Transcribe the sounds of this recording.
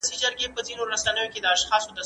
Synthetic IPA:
sid͡ʒəɾɡepəzinoɾasanəjoked̪əaʃxɑsod̪a

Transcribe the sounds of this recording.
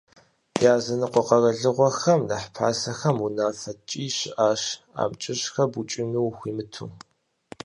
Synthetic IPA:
jaːzɐnɨqʷɔqɐrɐɮɨʁʷɔxɐmnaħpʰaːsɐxɐmunaːfɐt͡ʃʼiːɕɪʔaːɕ | a̰ːmt͡ʃʼɪɕxɐbut͡ʃʼɪnuwxʷiːmɨtʰṵ

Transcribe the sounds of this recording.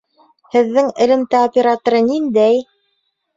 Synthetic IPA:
hɘ̆ðːɘŋɘ̆lɘ̆mt̪æopʲeɾat̪ŏɾɤnind̪æj

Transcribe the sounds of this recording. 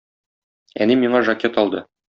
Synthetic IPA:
æ̰nimiɴɑʒɐkʲet̪ɒlˠd̪ɤ

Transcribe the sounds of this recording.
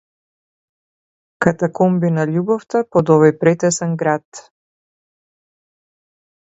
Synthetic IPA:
kat̪akɔmbinalʲubɔft̪apɔd̪ɔvɔjpɾɛt̪ɛsɛnɡɾat̪

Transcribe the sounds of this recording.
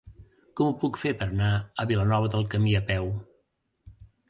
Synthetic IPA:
kɔmupukfepəɾənaəβilənɔβ̞əðəlˠkəmiəpɛw

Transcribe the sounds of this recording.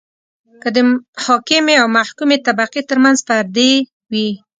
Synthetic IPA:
kəd̪əhɑkɪmeawmahkumet̪abaqit̪əɾmanzfaɾd̪e | wi

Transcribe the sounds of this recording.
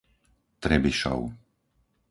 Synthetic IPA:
t̪ɾɛbiʃɔ̰ʊ

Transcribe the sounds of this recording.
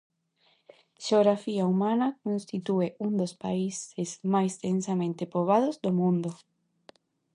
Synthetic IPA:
ʃeoɣɾafiaumãnakõnst̪it̪ueʔund̪ospaisezmajst̪ẽnsamẽnt̪epoβ̞aðozd̪omũnd̪o

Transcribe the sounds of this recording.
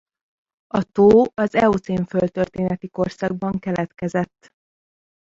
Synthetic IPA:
ɒt̪oːɒzɛut̪siːɱfølt̪ørt̪eːnɛt̪iko̞rsɒɡ̚bɒŋkɛlɛt̪kɛzɛt̪ː

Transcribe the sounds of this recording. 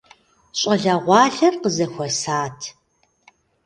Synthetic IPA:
ɕʼɐɮɐʁʷɑːɬɐrqəzɐxʷɔsaːtʰ

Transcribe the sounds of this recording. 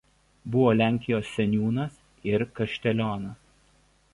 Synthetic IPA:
bʊʋoːlʲæˑŋʲkʲɪjoːsːʲɛnʲjuːnɐs | ɪɾkɐʃʲt̪ʲɛlʲoːnɐs

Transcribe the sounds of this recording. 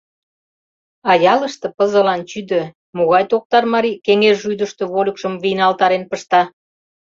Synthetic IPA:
ɑjɑlə̆ʃt̪ɤ̆pə̆zə̆lɑnt͡ɕyd̪ø̆ | moɣɑjt̪ok̚t̪ɑrmɑɾikeŋerʒujd̪əʃt̪ø̆βolʲəkʃə̆mβijnɑlt̪ɑɾenpəʃt̪ɑ

